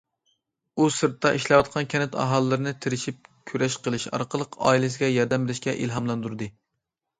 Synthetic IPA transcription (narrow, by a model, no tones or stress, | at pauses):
usɨɾt̪ːɑʔiʃlɛwɑt̪̚qʰɑnkʲʰɛnɪt̪ʰɑ̰ɦɑlˠːɨɾɨnɨt̪ʰɪɾɪʃip̚kʲʰyɾɛʃqəlˠɨʃɑ̰ɾqəlˠəqʰɑ̰ilɪsɪɡʲɛjɑɾd̪ɛmbɪlɪʃkʲɛʔilɦɑmlˠɑnd̪uɾd̪ɨ